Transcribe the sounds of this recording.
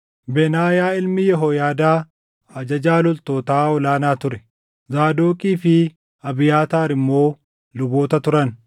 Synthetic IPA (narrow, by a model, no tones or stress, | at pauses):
bɛnaːjaːɪlmɪjɛɦojaːd̪aː | ɐd͡ʒɐd͡ʒaːlɔlt̪oːt̪aːɔlaːnaːt̪ʊɾɛ̥ | zaːd̪oːkʼiːfɪ | ɐbɪjaːt̪aːɾɪmːo̞ː | lʊbo̞ːt̪ɐt̪ʊɾɐn